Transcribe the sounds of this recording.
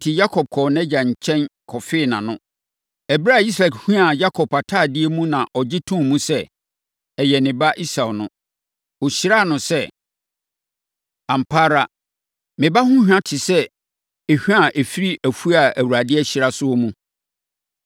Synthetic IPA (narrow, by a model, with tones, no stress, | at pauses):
tʰɪ˨ja˦kʰɔ˨b̚kʰɔ˨nɛ̃˦d͡ʑa˨ɲ̩˨t͡ɕʰɛ̃˦nkʰɔ˨fɪ˦˨nã˨nʊ̃˦ | ɛ˨bɪ˦ɾa˦˨i˦s̬ɾa˨khᶣu˦a˨ja˦kʰɔ˨pʰa˨tʰaː˦˨dɪ˦e˦mũ˦nã˨ʔɔ˨d͡ʑɪ˦tʰũ˦mũ˦sɛ˦ | ɛ˨jɛ˨nɪ̃˨ba˦ʔi˦sa˨nʊ̃˦ | o˨ɕi˦ɾa˦˨nʊ̃˨sɛ˦ | ã˨m̩˨pʰaː˦ɾa˦ | mɪ̃˨ba˦hʊ̃˦hᶣã˦tʰɪ˨sɛ˦ | e˨hᶣu˦a˦˨ʔe˨fi˦ɾi˦ʔæ˨fu˦a˨æ˨wu˨ɾa˨dɪ˦ɛ˦ɕi˨ɾa˦sʊ˦ɔ˦mũ˦